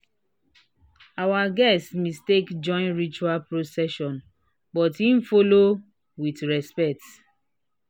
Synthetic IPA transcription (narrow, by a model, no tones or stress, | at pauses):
awaɡɛstmistekd͡ʒɔ̃ɪ̃nɹit͡ʃualpɹosɛʃɔ̃n | bɔtin̩folo | witɹɛspɛk̚t